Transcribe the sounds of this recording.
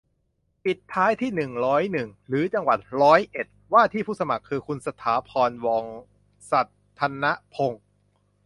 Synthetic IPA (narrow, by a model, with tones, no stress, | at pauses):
pi˨˩t̪ʰːaː˦˥jt̪ʰiː˥˩nɯ˨˩ŋɾɔː˦˥jnɯ˨˩ŋɾɯː˩˦t͡ɕa˧ŋwa˨˩t̪̚ɾɔː˦˥jʔe˨˩t̪̚waː˥˩t̪ʰiː˥˩pʰuː˥˩sa˧ma˨˩kʰːɯː˧kʰu˧nsa˧t̪ʰaː˩˦pʰɔː˧nwɔː˧ŋ | sa˨˩t̪ʰːa˧na˦˥ʔpʰo˧ŋ